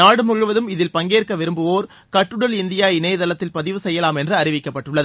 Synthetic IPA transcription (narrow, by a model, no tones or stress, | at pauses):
naːɽɯmʊɻɯʋɐðɯmɪðɪlpɐŋɡeːɾkɐʋɪɾɯmbɯʋoːɾ | kɐʈːɯɽɐlɪnd̪ɪjaːɪneːðɐlɐt̪ːɪlpɐðɪʋɯsɛjːɐlaːmɛndrɯɐɾɪʋɪkːɐpːɐʈːɯɭːɐðɯ